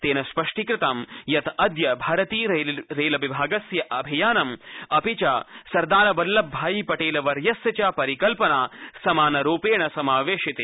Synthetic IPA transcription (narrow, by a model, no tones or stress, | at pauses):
t̪eːnɐspɐʂʈikɾɪt̪aːmjɐt̪ɐd̪jɐbʱaːɾɐt̪iːɾeːlɐʋibʱaːɡɐsjɐʔɐbʱijaːnɐmɐpit͡ʃaːsɐɾd̪aːɾɐbɐlːɐbbʱːaːjipɐʈeːlɐʋɐɾjɐsjɐt͡ʃaːpɐɾikɐlpɐnaːsɐmaːnɐɾoːpeːɳɐsɐmaːʋeːʃit̪eː